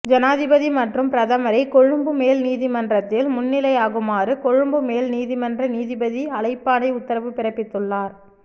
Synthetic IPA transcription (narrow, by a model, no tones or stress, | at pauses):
d͡ʒɐnaːðɪbɐðimɐʈrɯmpɪɾɐðɐmɐɾɐɪkɔɻɯmbɯmeːlniːðimɐndrɐt̪ːɪlmʊnːɪlɐjaːɣɯmaːɾɯkɔɻɯmbɯmeːlniːðimɐndrɐniːðɪbɐðiɐlɐɪpːaːnɐɪʊt̪ːɐɾɐʋɯpɪɾɐpːɪt̪ːɯɭːaːɾ